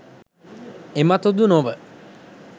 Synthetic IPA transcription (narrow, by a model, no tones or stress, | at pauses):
emat̪od̪unoʋə